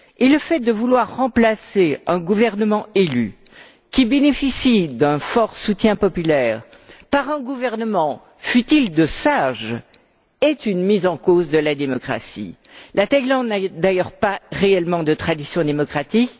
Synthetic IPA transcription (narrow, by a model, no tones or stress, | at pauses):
eləfɛt̪̚d̪əvulwaʁːɑ̃plaseɛ̃ɡuvɛʁnəmɑ̃ely̰ | kʲibenefisid̪ɛ̃fɔʁsut̪jɛ̃pɔpylɛʁ | paʁɛ̃ɡuvɛʁnəmɑ̃ | fyt̪ild̪əsaʒ | ɛt̪ynmizɑ̃kozd̪əlad̪emɔkχa̰sḭ | lat̪ajlɑ̃d̪nad̪ajœʁpaʁeɛlmɑ̃d̪ət̪χad̪isjɔ̃d̪emɔkχat̪ik